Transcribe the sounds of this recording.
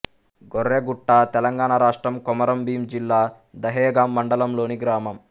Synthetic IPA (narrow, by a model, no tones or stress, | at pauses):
ɡɔɾːeːɡuʈːaːt̪ɛlɐŋɡaːɳɐɾaːʂʈɾɐmkɔmɐɾɐmbiːmd͡ʒilːaː | d̪ɐɦɛːɡaːmːɐɳɖɐlɐmlo̞ːniɡɾaːmɐm